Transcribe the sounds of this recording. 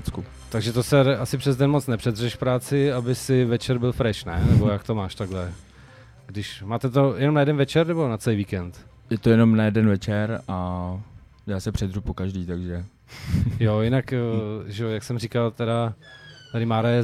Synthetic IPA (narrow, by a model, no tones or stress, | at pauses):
t͡sku | t̪aɡʒɛt̪osɛasɪpr̝̥ɛzdɛnmot͡snɛpr̝̥ɛd̪rɛʃfpɾaːt͡sɪabɪsɪvɛt͡ʃɛɾbɪlfɾɛʃnɛ̰nɛbo̞jak̚t̪omaːʃt̪aɡlɛ | ɡdɪʃmaːt̪ɛt̪o̞jɛnomnajɛdɛnvɛt͡ʃɛɾnɛbo̞nat͡sɛlijviːkɛnt̪ | jɛt̪ojɛnomnajɛdɛnvɛt͡ʃɛɾa | jaːsɛpr̥ɛd̪rupokaʒdiːt̪aɡʒɛ | jojɪnakːʒɛojaksɛmrikalt̪ɛɾat̪adɪmaːɾajɛ